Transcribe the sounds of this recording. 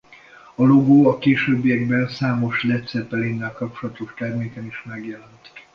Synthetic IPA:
ɒloɡoːɒkeːʃøːbːijɛɡbɛnsaːmo̞ʃlɛt̪sɛpːɛlenːɛlkɒp̚t͡ʃolɒt̪oʃt̪ɛrmeːkɛniʃmɛɡjɛlɛnt̪

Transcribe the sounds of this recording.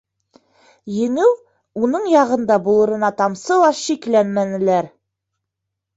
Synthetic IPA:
jɘ̆ŋɘw | unɤɴjɑʁɤ̆nd̪ɑbulˠɤ̆ɾɤ̆nɑt̪ɑmsɤlˠɑʃiklænmænɘ̆læɾ

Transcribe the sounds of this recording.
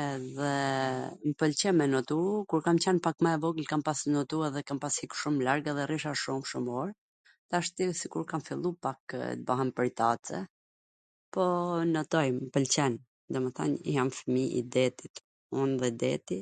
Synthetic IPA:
ɛðɛ | mpəlt͡ɕɛmɛnɔt̪ukuɾkamt͡ɕɛnpakmaɛvɔɡəlkampasnɔt̪uɛðɛkampashikʃumlaɾɡaðɛriʃaʃumʃumɔɾ | t̪aʃt̪isikuɾkamfilˠupakt̪̚baɦɛnpəɾt̪at͡sɛ̰ | pɔnət̪ɔjmmpəlt͡ɕɛn | d̪ɔməθa̰nijamfəmiḭd̪ɛt̪it̪ | unðɛd̪ɛt̪i

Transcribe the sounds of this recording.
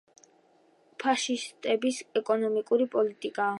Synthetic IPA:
pʰaʃist̪ʼɛbisɛkʼɔnɔmikʼuɾipʼɔlit̪ʼikʼa

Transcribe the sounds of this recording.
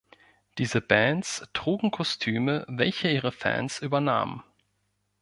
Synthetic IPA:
d̥iːzəbɛntstʁ̥uːɡŋ̩kʰɔstʰyːməvɛlçəiːʁəfɛ̰ːnsʔyːbɐna̰ːmə̰n

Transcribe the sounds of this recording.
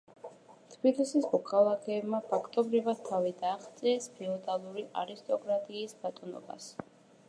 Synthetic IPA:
t̪ʰb̥ilisismɔkʰalˠakʰɛːbmapʰakʰt̪ʼɔbɾivad̪̥̚t̪ʰavid̪aːχt̪sʼiɛspʰɛɔd̪alˠuɾiʔaɾist̪ʼɔkʼɾat̪ʼiːsbat̪ʼɔnɔ̰ba̰s

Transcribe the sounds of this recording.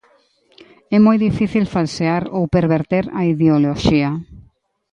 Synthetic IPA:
ɛmojðifiθilfalseaɾowpeɾβeɾt̪eɾɐ̰iðeoloʃia

